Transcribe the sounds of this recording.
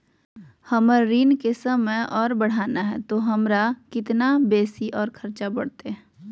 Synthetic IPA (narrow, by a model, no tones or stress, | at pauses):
hɐməɾiːnkesəməjɔːɾbəɽ̤aːnaɦɛ̰t̪oɦɐmɾakɪt̪nabeːsiʔɔːɾkʰɐɾt͡ʃabɐɽ̤t̪eɛ